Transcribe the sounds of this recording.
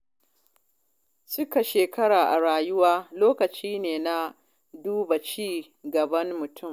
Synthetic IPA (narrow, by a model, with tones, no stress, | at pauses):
sʊ˦ka˨ʃeː˨kɐ˦ɽaː˨ʔa˨ɽaː˨jʊ˦waː˦loː˦kɐ˨t͡ʃiː˦neː˨na˦ | duː˦ba˨t͡ʃiː˦ | ɡɐ˨bɐ˦ŋmʊ˨tʰʊ˦˨m